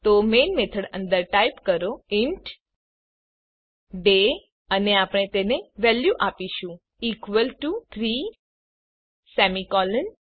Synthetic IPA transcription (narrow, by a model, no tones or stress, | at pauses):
t̪omenmet̪ʰəɽə̰̃nd̪əɾʈajpkəɾoɪɳʈ | ɖe | əneapɽ̃et̪eneʋɛljuʔapiʃũ | ikʋəlʈut̪ʰɾi | sɛmikɔləɳ